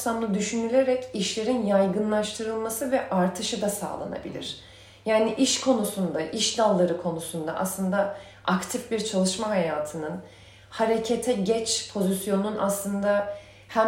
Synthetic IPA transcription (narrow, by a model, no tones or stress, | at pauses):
sanlˠɯd̪yʃynylʲeɾɛciʃlʲe̞ɾinjajɡɯnlˠaʃt̪ʰɯɾɯlˠmasɯvɛʔaɾt̪ʰɯʃɯd̪asa̰ːlˠa̰na̰bḭlʲḭɾ̥ | jaːniʔiʃkʰo̞nusund̪aʔiʃd̪alˠːaɾɯkʰo̞nusund̪a̰ʔa̰slˠɯnd̪a | akt̪ʰifbiɾt͡ʃʰalˠɯʃmaɦajaːt̪ʰɯnɯn | haɾe̞cʰet̪ʰɛɟɛt͡ʃpʰo̞zisjo̞nunʔaslˠɯnd̪a | hæ